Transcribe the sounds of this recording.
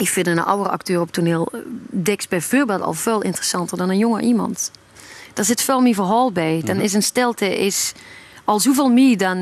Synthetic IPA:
ɪkfɪnənɑ̰wərəɑ̰ktøːrɔp̚tʰuneːlˠdɛksbɛjvøːɹbɛlˠtɔ̰lˠveːlˠʔɪ̰ntərəsɑntərdɔnənjoŋəʔimɑ̰nt | d̥ɔɹzɪtfɛlˠmivəɦɔːlˠbɛjd̥ɔnɪs̬ənstɪlˠtəʔɪsɑlˠsuveːlˠmidɔn

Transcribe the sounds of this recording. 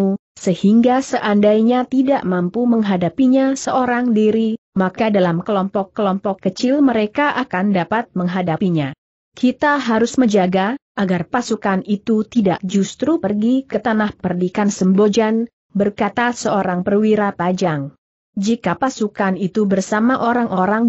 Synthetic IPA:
u | səhiŋɡasəʔandajɲat̪idaʔmampuməŋɦadapiɲasəoɾaŋdiɾimakadalamkəlɔmpɔkːəlɔmpɔkːət͡ʃɪlməɾekaʔakandapat̪̚məŋɦadapiɲa | kʰit̪aɦaɾʊsməɲd͡ʒaɡaʔaɡarpasukanit̪ut̪idaʔd͡ʒust̪ɾupərɡikət̪anahpərdikansəmbod͡ʒan | bərkat̪asəoɾaŋpərwiɾapad͡ʒaŋ | d͡ʒikapasukanit̪ubərsamaʔoɾaŋʔoɾaŋ

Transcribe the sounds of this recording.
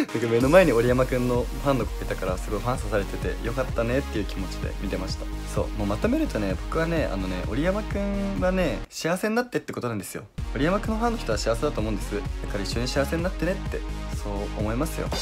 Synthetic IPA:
nakame̞no̞mae̞ɲ̟io̞ɾʲijamakɯ̟̃nːo̞ | hãnːoko̥ket̪akaɾasɨɡo̞iɦãɰ̃sasaɾe̞t̪e̞t̪e̞̰jo̞kat̪ːane̞t̪ːe̞iɯ̟ːkʲimo̞t͡ɕid̪e̞̰mʲit̪e̞maɕi̥t̪ḁso̞̰ːmo̞ːmat̪o̞me̞ɾɯ̟t̪o̞ne̞bo̞kɯ̟βane̞a̰no̞ne̞̰ʔo̞ɾʲijamakɯ̟̃ŋɡane̞ɕiaβse̞ɲinːat̪ːe̞t̪ːe̞ko̞t̪o̞nãnd̪sɨjo̞̰oɾʲijamakɯ̟̃nːoɦãnːoçi̥t̪oaɕiaβse̞d̪at̪oːmõːnd̪e̞sɨj̥akːaɾaiɕːo̞ɲ̟iɕiaβse̞ɲ̟inat̪ːe̞ne̞t̪ːe̞̰so̞ːomo̞imasɨjo̞̰

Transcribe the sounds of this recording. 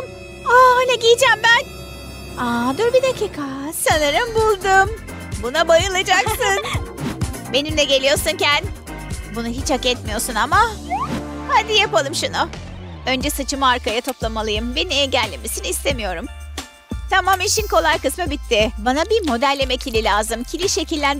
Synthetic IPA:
aajnʲɛɟijd͡ʒæmbæn | ad̪uɾbid̪acʰikʰasanaɾɯmbulˠd̪um | bunabajɯlˠad͡ʒaksɯn | be̞nimlʲɛɟe̞lʲijo̞ɾsuncæn | bunuɦit͡ʃhakɛt̪mijo̞sunama | had̪ijapalˠɯmʃunʊ | ø̞nd͡ʒɛsat͡ʃʰɯmaːɾkajat̪ʰo̞plˠamalˠɯjɯmbeninɛɟælʲːemesiniist̪ʰe̞mijo̞ɾum | t̪ʰamamiʃinko̞lˠajkɯsmɯbit̪ʰːɪbanabimo̞d̪ælʲːe̞mɛcʰilʲilʲaːzɯmcʰilʲiʃecilʲːæn

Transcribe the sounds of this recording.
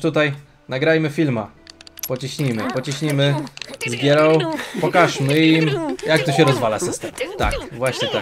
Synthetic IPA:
t̪ut̪aj | naɡɾajmɘfʲilmapɔt͡ɕiɕɲimɘpɔt͡ɕiɕɲimɘzɡʲjɛɾɔ̃w̃pɔkaʂmɘimjak̚t̪ɔɕɛɾɔzvalasɘst̪ɛmt̪a̰kvwaɕɲɛt̪a

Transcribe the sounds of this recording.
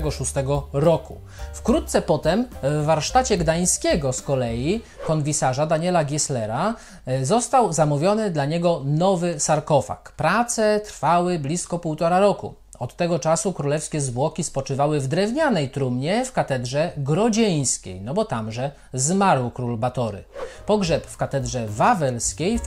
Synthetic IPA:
ɡɔʂust̪ɛɡɔɾɔku | fkɾut̪t̪sɛpɔt̪ɛmvːaɾʂt̪at͡ɕɛɡd̪aj̃skʲɛɡɔskɔlɛjikɔnvʲisaʐad̪aɲɛlaɡʲislɛɾa | zɔst̪awzamuvʲjɔnɘd̪laɲɛɡɔnɔvɘsaɾkɔfa̰kpɾat̪sɛt̪ɾfawɘblʲiskɔpuwt̪ɔɾaɾɔkṵ | ɔt̪ːɛɡɔt͡ʂasukɾulɛfskʲɛzbwɔkʲispɔt͡ʂɘvawɘvd̪ɾɛvɲanɛjt̪ɾumɲɛfkat̪ɛd̪ʐɛɡɾɔd͡ʑej̃skʲḛjnɔbɔt̪amʐɛ | zmaɾwkɾulbat̪ɔɾɘ̰pɔɡʐɛpfkat̪ɛd̪ʐɛvavɛlskʲej

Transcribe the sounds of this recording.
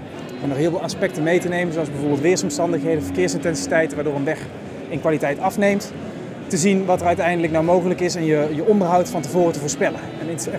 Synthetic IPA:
ənɔχɦɪːlˠvlˠɑspɛk̚tənmejtənejmənzoɑlˠzbɛjvʊːɹbɪːlˠtʋɪːɹsɔmstɑndəxɦejdəvəɹkɪːɹsɪntɛnsitɛjtənʋaːɹdʊːɹənʋɛx | ɪnkʋaːlitɛjtɑfnejmt | təzinʋɑtərœɥtɛjndələknawmowɣələkɪsɛnjəjəɔndəɹɦʌwtfɑntəvʊːrətəvʊːɹspɛlə | ɛnɪn

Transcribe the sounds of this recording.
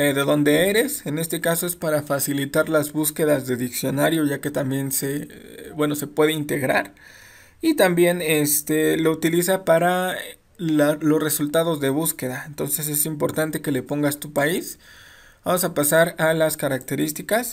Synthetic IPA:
eðe̞ðo̞nd̪e̞e̞ɾe̞se̞ne̞st̪e̞kaso̞e̞spaɾafasilit̪aɾlazβuske̞ðazðe̞ðiksjo̞naɾjo̞ʝake̞t̪ambje̞nse̞bwe̞no̞se̞pwe̞ð̞e̞int̪e̞ɣɾaɾ | it̪ambje̞ne̞st̪e̞lo̞ut̪ilisapaɾa | alo̞sre̞sult̪að̞o̞zðe̞βuske̞ðaent̪o̞nse̞se̞simpo̞ɾt̪ant̪e̞ke̞le̞po̞ŋɡast̪upais | bamosapasaɾalaskaɾak̚t̪e̞ɾist̪ikas

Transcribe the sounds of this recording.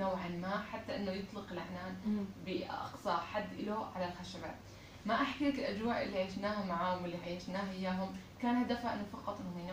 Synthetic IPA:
awʕanmaːħat̪ːaʔɪnːojɨt̪ˤlɪqɪlʔaʕnaːnbɪʔɑ̰qsˤɑʔħad̪ːʔɪloʕalalxaʃaba̰ːt̪ | maʔaħkalak̪ɪlʔad͡ʒwaːʕʔɪ̰lːiʕaːʃnaːhamaʕaːhʊmʔɪlːiʕajːaʃnaːhʔɪjːaːɦʊmkaːnhad̪afhaʔɪ̰nːʊfɑqɑt̪ˤʔɪnːhjn

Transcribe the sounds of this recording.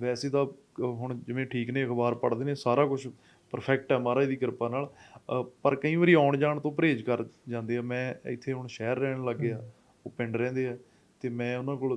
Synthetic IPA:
ʋɛːseːt̪aː | ɦʊɳ̃d͡ʒɪʋẽːʈʰiːknẽːəkʰbaːɾpəɽd̪eːneːsaːɾaːkʊt͡ʃʰ | pəɾpʰɛːk̚ʈɛːmaːɾaːd̪iːkəɾpaːnaːl | pəɾkəĩːʋəɾiːaːʊɳd͡ʒaːɳt̪õːpəɾeːd͡ʒkəɾd͡ʒãːnd̪eːaːmɛ̃ːɪ̰t̪ʰːeːɦʊɳʃɛːɾːɛːɳləɡːeːaː | oːpɪ̃ɳɖɾɛ̃ːnd̪eːaː | t̪eːmɛ̃ːʊnãːk̬ʊl

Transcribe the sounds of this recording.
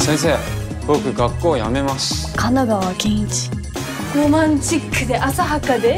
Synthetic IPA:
sẽ̞ɰ̃s̬eː | bokɯ̟ɡakːoːja̰me̞masɨ̥kʰanaɡaβakẽĩt͡ɕi̥ | ɡ̥omãnt͡ɕikʰːɯ̟d̪e̞ʔasaɦakad̪e̞

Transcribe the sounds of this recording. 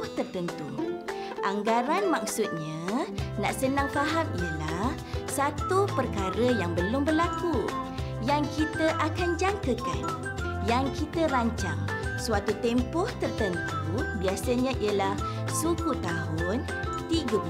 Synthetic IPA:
ht̪ərt̪ənt̪ṵ | ʔaŋɡaɾanmak̚sʊt̪̚ɲãnaʔsənaŋfaɦamiəlah | sat̪upərkaɾəjaŋbəlʊmbərlaku | jaŋkit̪əʔakand͡ʒaŋkəka̰n | jaŋkit̪əɾaɲt͡ʃa̰ŋsuat̪ut̪ɛmpɔht̪ərt̪ənt̪ubiasəɲãʔijəlahsuɡut̪aɦʊn | t̪iɡəb

